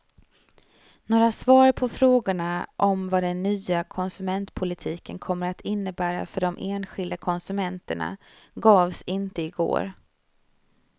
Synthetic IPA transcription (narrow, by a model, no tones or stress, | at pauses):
noːɾasvɑːɾpʰɔfɾoːɡʊɳaʔɔmvad̪ɛnːyːakʰɔnsɵmɛnt̪pʰʊlɪt̪ʰiːkənkʰɔmːəɾat̪ʰɪnːəbæːɾa̰fœɖɔmʔeːnɧɪld̪akʰɔnsɵmɛnt̪əɳa̰ | ɡɑːvsɪnt̪əɪɡo̰ːɾ